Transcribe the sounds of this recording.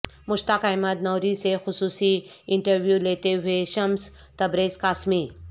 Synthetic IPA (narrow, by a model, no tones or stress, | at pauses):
mʊʃt̪akaːɪmət̪nɔːɾisexʊsuːsiɪ̃ɳʈəɾʋjuleːt̪eɦʊeʃɐms | t̪ɐbɾeːskaːsmiː